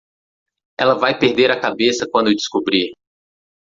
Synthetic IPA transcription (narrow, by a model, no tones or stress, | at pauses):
ɛlɐvajpeɾd̪eɾakabesɐkwɐ̃nd̪ewd͡ʒɪ̥skobɾi